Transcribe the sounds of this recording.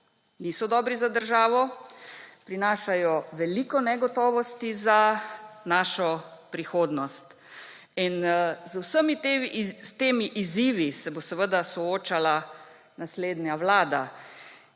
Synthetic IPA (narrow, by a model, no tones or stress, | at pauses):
niːsɔd̪ɔːbɾizad̪əɾʒaːʋɔ | pɾinaːʃajɔʋɛliːkɔnɛɡɔt̪ɔːʋɔst̪izanaːʃɔpɾixoːd̪nɔst̪ | inzwsəmit̪eist̪eːmiʔiziːʋisɛbosɛʋəd̪asɔoːt͡ʃala | nasleːd̪njaʋlaːd̪a